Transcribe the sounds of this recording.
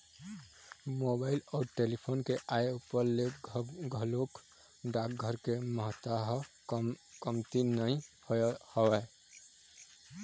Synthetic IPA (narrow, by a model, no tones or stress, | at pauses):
mobaːɪlɔːɾʈelipʰoːnkeʔajupəɾleɡʱəlok | ɖak̚ɡʱəɾkeməɦt̪aɦ | kəmt̪inəĩhhəwɛ